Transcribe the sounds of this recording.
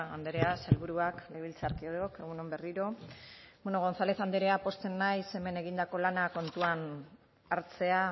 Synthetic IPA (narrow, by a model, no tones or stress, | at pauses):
a̰nd̪eɾeaselβuɾuakleβilt͡saɾkioɾoke̞ɣ̞uno̞mbe̞riɾo̞bonoɣ̞o̞nθale̞θand̪eɾe̞apo̞st͡s̪e̞nːajse̞me̞ne̞ɣ̞ind̪ako̞lanako̞nt̪uan | aɾt͡se̞a